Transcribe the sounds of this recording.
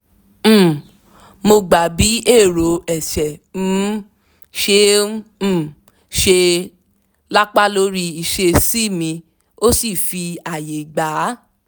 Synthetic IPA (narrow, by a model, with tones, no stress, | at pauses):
mo˧ɡ͡ba˨bi˨˦e˦˨ɾo˨ɛ˨ʃɛ̃˨˦ | ʃẽ˧˦˨ | ʃe˧ | la˦k͡pa˦lo˦ɾi˧i˧ʃe˧si˦mĩ˧ | o˦si˦˨fi˧a˨je˨ɡ͡ba˨˦